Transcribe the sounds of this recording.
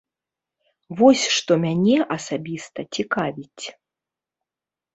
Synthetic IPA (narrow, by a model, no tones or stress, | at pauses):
vɔsʲʂt̪ɔmʲanʲɛʔɐsabʲist̪ɐt͡sʲikavʲit͡sʲ